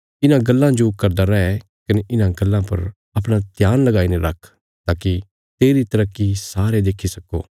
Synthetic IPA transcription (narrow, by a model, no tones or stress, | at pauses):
ɪnãɡɐlːãd͡ʒokɐɾd̪aɾɛɦɛ | kɐneʔɪnãɡɐlːãpɐɾ | ɐpɽ̃at̪jaːnlɐɡaːinẽɾɐkʰ | t̪aːki | t̪eːɾit̪ɐɾəkːisaːɾed̪eːkʰisɐkːo̰ː